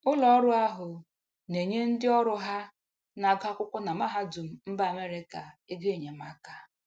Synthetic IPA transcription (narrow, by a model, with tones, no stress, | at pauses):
ʊ˦lɔ˨˦ɾʊ˦a˦ɦʊ˨ | ne˨ɲe˦n̩˦dɪ˦ɔ˦ɾʊ˦ɦa˦ | na˨ɡa˦kʷʊ˦kʷʊ˦na˨ma˦ɦa˦du˨m̩˦m̩˦ba˦˨a˨me˦ɾɪ˦ka˨e˦ɡe˦˨ɲe˨ma˦ka˨